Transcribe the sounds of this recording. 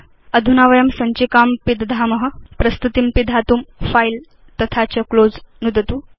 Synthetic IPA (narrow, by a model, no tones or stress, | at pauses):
əd̪ʱunaʋəjəmsɐɲt͡ɕikaːmpid̪d̪ʱaməɦə̆pɾɐst̪ut̪impid̪ʱat̪umfajl | t̪ət̪ʰat͡ɕɐkloːd͡znud̪ʱət̪uː